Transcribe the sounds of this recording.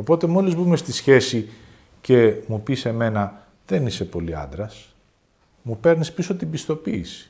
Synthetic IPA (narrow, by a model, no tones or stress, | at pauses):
o̞po̞t̪e̞mo̞lizbume̞st̪isçe̞si | ce̞mupise̞me̞nɐ | ðe̞nise̞po̞liɐ̰nd̪ɾɐs | mupe̞ɾnispiso̞t̪ibist̪o̞piːsi̥